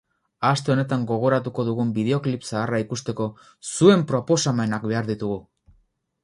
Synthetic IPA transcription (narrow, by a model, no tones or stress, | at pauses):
ast̪e̞o̞ne̞t̪aŋɡo̞ɣ̞o̞ɾat̪uko̞ðuɣumbið̞eo̞klipsaːraikust̪e̞ko̞ | sue̞mpɾo̞po̞same̞nakbe̞aɾðit̪uɣu